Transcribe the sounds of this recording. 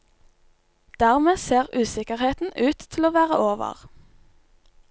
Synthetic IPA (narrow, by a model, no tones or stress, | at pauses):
d̪̥æːʁmeːseːʁʉːsɪkəʁheːt̪n̩ʉːt̪ʰl̩oːʋæːʁə̰ʔoːʋə̰ʁ